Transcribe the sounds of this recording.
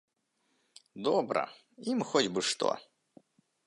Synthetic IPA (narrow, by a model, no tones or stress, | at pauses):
d̪ɔbɾɐ̰ | imxɔd͡zʲbɨʂt̪ɔ̰